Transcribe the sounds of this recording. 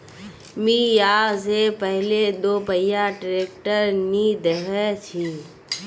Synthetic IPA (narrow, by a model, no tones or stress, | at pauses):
miːjaːzepɛɦled̪oːpəjaʈɾeːk̚ʈəɾniːd̪ɦɛt͡ʃʰiː